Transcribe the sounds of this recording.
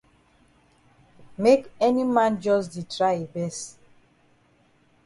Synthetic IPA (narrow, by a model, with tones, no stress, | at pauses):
me˦kɛ˦ni˦mã˦nd͡ʒɔ˦s̬di˨tɾa˦e˨bɛ˦s